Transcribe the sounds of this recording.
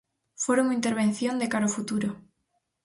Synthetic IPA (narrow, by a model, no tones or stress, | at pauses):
foɾumint̪eɾβ̞ẽn̟θjõnd̪ekaɾofut̪uɾo